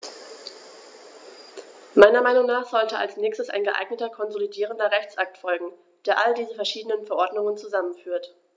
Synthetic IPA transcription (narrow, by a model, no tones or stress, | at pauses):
maɪnɐmaɪnʊŋnaːχz̥ɔltəa̰lsnɛːçstəsa̰ɪnɡəʔa̰ɪɡnətɐkʰɔnzolidiːʁ̞əndɐʁɛçt͡sʔak̚tfɔlɡŋ̩ | d̥eːɐʔaldiːzəfɛɐʃiːdənənfɛɐʔɔɐdnʊŋənt͡suzamənfyːɐt